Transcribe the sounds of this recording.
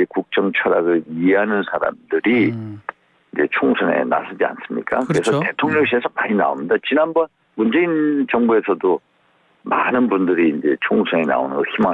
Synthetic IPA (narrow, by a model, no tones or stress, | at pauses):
ekuk̚t͡ɕ͈ʌŋt͡ɕʰʌɾaɡɯɭieɦanɯnsʰaɾa̰mdɯɾi | ind͡ʑe̞̰t͡ɕʰoŋsʰʌne̞̰na̰s͈ʰɯd͡ʑia̰ns͈ɯmɲḭk͈akɯɾe̞sʰʌte̞tʰoŋɲʌŋɕʰie̞sʰʌmaɲina̰omɲidat͡ɕinanbʌn | mund͡ʑe̞int͡ɕʌŋbue̞sʰʌdo | manɯnbundɯɾiːnd͡ʑe̞̰t͡ɕʰoŋsʰʌne̞na̰onɯnɡʌçima